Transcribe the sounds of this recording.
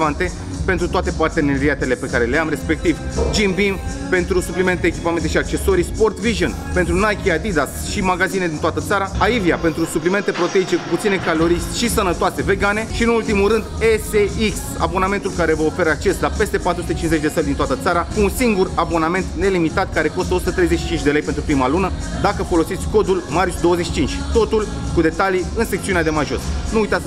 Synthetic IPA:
vant̪e̞ | pent̪ɾut̪oat̪e̞part̪e̞ne̞ɾiat̪e̞le̞pe̞kaɾe̞leamɾe̞spe̞k̚t̪ivd͡ʒimbiŋ | pe̞nt̪ɾusuplime̞nt̪eːkʲipame̞nt̪eʃiak̚t͡ʃe̞so̞ɾispo̞rt̪viʒonpent̪ɾunajkʲiad̪id̪as | ʃimaɡazine̞d̪int̪oat̪ət̪saɾaaiviapent̪ɾusuplime̞nt̪e̞pɾo̞t̪e̞it͡ʃe̞kuput̪sine̞kalo̞ɾiʃt̪ʲʃisənət̪oase̞ve̞ɡane̞ʃiɨnult̪imulɾɨnd̪eseiks | a̰bo̞name̞nt̪ulkaɾe̞vəofe̞ɾəak̚t͡ʃe̞slape̞st̪e̞pat̪ɾusut̪et͡ʃinze̞t͡ʃʲd̪e̞səld̪int̪oat̪ət̪saɾakuːnsiŋɡurabo̞name̞nt̪ne̞limit̪at̪̚kaɾe̞ko̞st̪əosu̥t̪ət̪ɾe̞jzet͡ʃʃi̥t͡ʃint͡ʃʲd̪e̞le̞jpent̪ɾupɾimalunə | d̪akəfo̞lo̞sit̪sʲko̞d̪ulmart͡ʃʲd̪o̞wəzeʃit͡ʃint͡ʃʲt̪o̞t̪ul | kud̪e̞t̪aliɨnse̞k̚t̪siunad̪emaʒo̞̰snuujt̪at̪s

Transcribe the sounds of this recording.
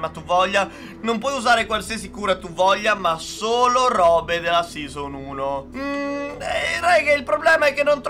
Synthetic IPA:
mat̪ːuvɔʎːa | nompwɔjuzaːɾekwalsias̬ikuːɾat̪ːuvɔʎːamasoːloɾɔːbed̪elasizonuːnomɛrɛjkeilpɾoblɛːmaɛkːenːont̪

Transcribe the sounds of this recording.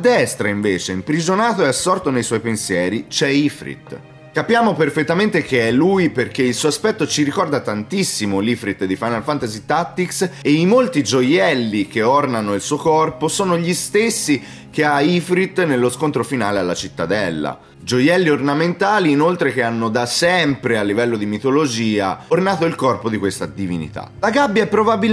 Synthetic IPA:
ad̪ːɛst̪ɾaiɱveːt͡ʃeimpɾid͡ʒonaːt̪oeasːɔrt̪onejswɔjpensjɛːɾit͡ʃɛifɾḭt̪ | kapjaːmoperfet̪ːament̪ek̟eɛlːujperkeilsuːaspɛt̪ːot͡ʃiɾikɔrd̪at̪ant̪isːimolifɾit̪d̪ifajnalfant̪azit̪att̪ːikseimolt̪id͡ʒojɛlːik̟eornanoilsuːokɔrposoːnoʎist̪esːi | k̟eaifɾit̪ːnelːoskont̪ɾofinaːlealːat͡ʃit̪ːad̪ɛlːa̰ | d͡ʒojɛlːiornament̪aːliːnolt̪ɾek̟eanːod̪asɛmpɾealːivɛlːod̪imit̪olod͡ʒiːa̰ornaːt̪oilkɔrpod̪ikwest̪ad̪ivinḭt̪a̰laɡabːjaɛpːɾobabil

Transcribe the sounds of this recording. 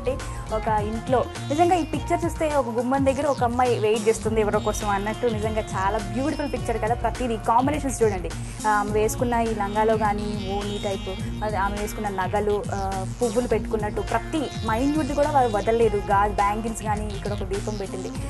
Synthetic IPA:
ʈe | ɔkɐiɳʈlo̞ː | nid͡ʒɐŋɡaːiːpik̚t͡ʃɐɾt͡ʃuːst̪e̞ːɔkɐɡumbɐnd̪ɐɡːɐɾɐɔkɐmːajʋejʈ̚d͡ʒest̪und̪iɛʋɐɾoːkɔːsɐmɐnːɐʈːunizɐŋɡaːt͡ʃaːlaːbjuːʈipɐlpik̚t͡ʃɐɾkɐd̪aːpɾɐt̪iɾikaːmbineːʃɐnst͡ʃuːɽɐɳɖi | aːmeʋe̞ːsu̥kunːaiːlɐŋɡaːlo̞ːɡaːnioːniːʈɐjpu | ɐɾaːmeʋeːsukunːɐnɐɡɐlupuʋːulupeʈːu̥kunːɐʈːupɾɐt̪i | mɐjnuɖlkuːɽaːʋaːɾuʋɐd̪ɐlːe̞ːd̪uɡaːlbaːŋkinsɡaːniːkːɐɽɐɔkɐɖiːpɐmpeʈːind̪i

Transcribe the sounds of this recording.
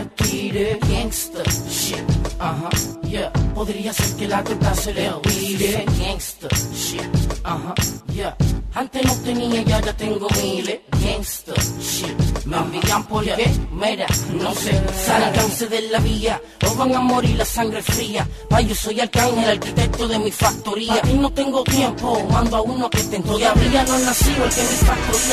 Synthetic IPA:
aɾt̪iɾeeŋst̪ʃiaɦãjapoðɾiaseɾkelat̪et̪aseɾeoβiɾeeŋst̪ʃiahãjaant̪enot̪eniaʝaʎat̪eŋɡomilejeŋst̪əʃimembiampolakemeɾanosesakanseðelaβia | oβaŋamoɾilasaŋɡɾefɾia | paʝosojalkaŋhelaɾkit̪ek̚t̪oðemifak̚t̪oɾiainot̪eŋɡot̪jempomãnd̪oaunoket̪ent̪ojaβianonasiakemifak̚t̪oɾia

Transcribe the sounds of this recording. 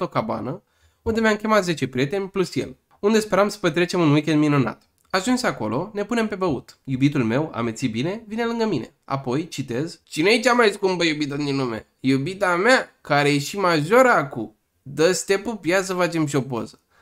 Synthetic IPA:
t̪okaba̰nə | und̪e̞meamkʲemat̪ze̞t͡ʃe̞pɾie̞t̪e̞nʲplusje̞̰l | und̪e̞spe̞ɾamsə̥pet̪ɾe̞t͡ʃe̞munwikʲend̪minuna̰t̪ | aʒunseako̞̰lo̞ne̞pune̞mpe̞bəut̪jubit̪ulme̞wa̰met̪sibine̞vine̞lɨŋɡəmine̞̰a̰po̞jt͡ʃit̪e̞zt͡ʃinejet͡ʃamajskumbəjubit̪əd̪inumḛ | jubit̪ameakaɾe̞jeʃimaʒo̞ɾəakṵ | d̪əst̪e̞pupjat̪səfat͡ʃe̞mʃ̬io̞po̞̰zə̥

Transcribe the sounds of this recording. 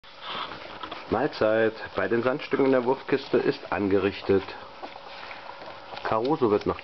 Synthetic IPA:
maːlt͡saɪtb̥aɪdeːnzantʃtʏkŋ̩ndeːɐvʊɐfkʰɪstəʔɪstʔa̰nɡəʁɪçtət | kʰaʁoːzovɪɐtnaːχ

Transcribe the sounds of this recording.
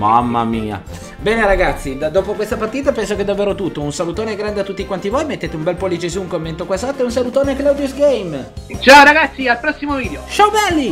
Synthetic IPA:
mamːa̰miːa̰ | bɛːneɾaɡat̪sːid̪d̪oːpokwest̪apart̪iːt̪apɛns̬oked̪avːeːɾot̪ut̪ːounsalut̪oːneɡɾand̪eat̪ːut̪ːikwant̪ivoːjmet̪ːeːt̪eumbɛlpolːit͡ʃesuːuŋkomːent̪okwasat̪ːeunsalut̪oːneklawd̪ijusɡeɛjmt͡ʃaoɾaɡat̪sːialpɾɔsːimoviːd̪eot͡ʃawbɛlːi

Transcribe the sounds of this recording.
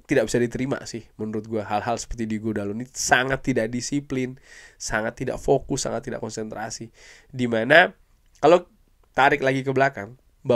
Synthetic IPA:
t̪idak̚bisadit̪əɾima̰sɪhmənuɾʊt̪̚ɡuaɦalɦalsə̥pərt̪idiɡodalonisaŋat̪ːidaʔ̚disiplɪnsaŋat̪ːida̰ʔfokʊsːa̰ŋat̪ːida̰ʔkɔnsɛnt̪ɾasi | dimana | kalo | t̪aɾɪklaɡikəbəlakaŋ | ba

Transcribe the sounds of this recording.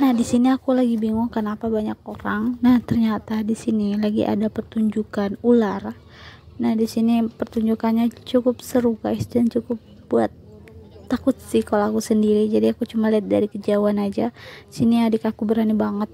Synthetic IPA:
nahdisiniakulaɡibiŋʊŋkənapabaɲak̚oɾaŋnaht̪ərɲat̪adisinilaɡḭʔa̰dapərt̪uɲd͡ʒukanular | nahdisinipərt̪uɲd͡ʒukanɲat͡ʃukʊpsəɾuka̰ɪsdant͡ʃukʊp̚ | bua̰t̪̚ː | akʊt̪̚sɪhkalakusəndiɾid͡ʒadiakut͡ʃumaliat̪̚daɾikəd͡ʒawanad͡ʒaisiniadikakubəɾanibaŋət̪̚

